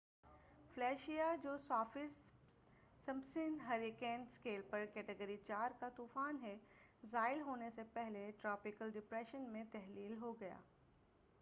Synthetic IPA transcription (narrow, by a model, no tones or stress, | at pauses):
flɛːʃijad͡ʒoːsaːfɪɾ | sɐmbsɪnɦɐɾɪkɛ̃ːnskeːlpɐɾkɛːʈəɡəɾit͡ʃaːɾkat̪uːfaːnɦɛzaːɪlɦoːnesepɛɦleʈɾaːpɪkəlɖɪpɾɛːʃənmẽt̪ɛɦliːlɦoɡɐja̰ː